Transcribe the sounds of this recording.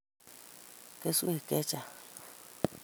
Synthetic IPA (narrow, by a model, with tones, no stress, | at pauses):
ke˦su˦hi˨ke˦t͡ʃa˨